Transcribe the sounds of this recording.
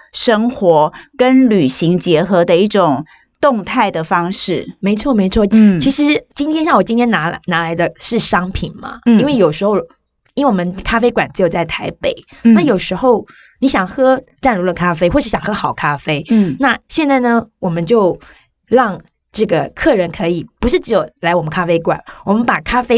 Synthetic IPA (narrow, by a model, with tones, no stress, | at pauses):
ʂə˥ŋxwɔ˧˥kə˦nly˨˩ɕi˧˥ŋt͡ɕjɛ˧˥xɤ˧˥d̪ə˧i˥˩ʈ͡ʂʊ˨˩ŋ | t̪ʊ˥˧ŋt̪ʰa˥˩ɪd̪ə˩fɑ˥ŋʂɻ̩˥˩me˧˥ɪt͡sʰwɔ˥˩me˧˥ɪt͡sʰwɔ˥˩t͡ɕʰi˧˥ʂɻ̩˧˥t͡ɕi˥nt̪ʰjɛ˥nɕjɑ˥˩ŋwɔ˨˩t͡ɕi˥nt̪ʰjɛ˥na˧˥lna˧˥la˧˥ɪd̪ə˧ʂɻ̩˥˩ʂɑ˥ŋpʰi˨˩nmɐ̰˦i˥nwe˥˩ɪjo˨˩ʊʂɻ̩˧˥xo˥˩ʊ | i˥nwe˥˩wɔ˨˩mə˦nkʰa˥fe˥ɪkwa˨˩nʈ͡ʂ̩˧˥jo˨˩ʊt͡sa˥˩ɪt̪ʰa˧˥ɪpe˨˩˦ɪna˥˩jo˨˩ʊʂɻ̩˧˥xo˥˩ʊ | ni˧˥ɕjɑ˨˩ŋxɤ˥ʈ͡ʂa˥˩nɻu˧˥lə˨kʰa˥fe˥ɪxwɔ˥˧ʂɻ̩˧˥˩ɕjɑ˨˩ŋxɤ˥xɑ˨˩ʊkʰa˥fe˥ɪna˥˧ɕjɛ˥˧nt͡sa˥˩ɪnə˩wɔ˨˩mə˦nt͡ɕjo˥˧ʊ | ɻɑ˥˧ŋ | ʈ͡ʂɤ˥˩ɡə˩kʰɤ˥˩ɻə˧˥nkʰɤ˧˥i˨˩pu˧˥ʂɻ̩˥˩ʈ͡ʂɻ̩˧˥jo˨˩ʊla˧˥ɪwɔ˨˩mə˦nkʰa˥fe˥ɪkwa̰˨˩nwɔ˨˩mə˧˦npa˨˩kʰa˥fe˥